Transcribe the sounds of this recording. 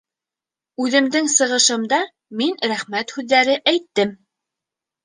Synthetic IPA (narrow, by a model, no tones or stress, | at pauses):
ʉðɘ̆md̪ɘŋsɤ̆ʁɤ̆ʃɤ̆md̪ɑ | minɾæχmæt̪hʉðːæɾɘʔæjt̪ːɘm